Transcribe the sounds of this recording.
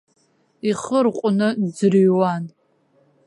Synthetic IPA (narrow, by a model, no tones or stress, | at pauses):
iχərqʷʼʊnɨd͡zɨrɥwan